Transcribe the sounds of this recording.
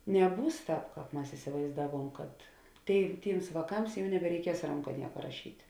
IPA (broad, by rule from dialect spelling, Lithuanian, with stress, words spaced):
nʲɛˈbuːs ˈtɑːp ˈkɑːp ˈmɐs ɪsʲɪʋɐɪzˈdɑːˌʋuɔm kɐt ˈtʲeːɪ ˈtʲiːms ʋɑːˈkɐms ˈjɛʊ nʲɛbʲɛrʲɛɪˈkʲiɛs ˈrɐŋkɐ ˈnʲiɛkɐ rɐˈʃʲiːtʲ